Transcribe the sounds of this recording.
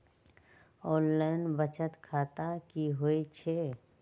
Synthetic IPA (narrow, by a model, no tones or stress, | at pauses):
ɔːnlaːɪnbət͡ʃət̪kʰaːt̪akiɦoit͡ʃʰe